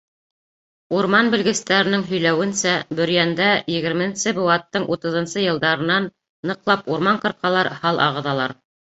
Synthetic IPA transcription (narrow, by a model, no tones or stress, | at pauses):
uɾmɑnbɘ̆lɡɘ̆st̪æɾɘ̆nɘŋɦɵ̆jlæwɘ̆nsæbɵ̆ɾjænd̪æjɘ̆ɡɘ̆ɾmɘ̆nsɘbŏwɑt̪ːɤɴʔut̪ɤ̆ðɤ̆nsɤjɤ̆lˠd̪ɑɾɤ̆nɑnː | ɤ̆qlˠɑpuɾmɑɴqɤ̆ɾqɑlˠɑɾhɑlˠʔɑ̰ʁɤ̆ðɑlˠɑɾ